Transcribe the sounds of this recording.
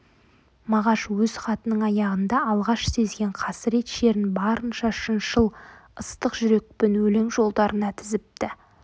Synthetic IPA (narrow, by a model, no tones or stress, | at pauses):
mɑʁɑʃwɵz̥χɑt̪ənəɴɑjɑʁənd̪ɑɑlˠʁɑʃse̞zɡʲe̞ɴqʰɑsɪɾe̞t̪ʃe̞ɾɪnbɑɾənʃɑʃənʃəlˠəst̪əqʒʏɾe̞k̚pɪnwɵleŋʒo̞lˠd̪ɑɾʔənɑt̪ʰɪzɪp̚t̪ɪ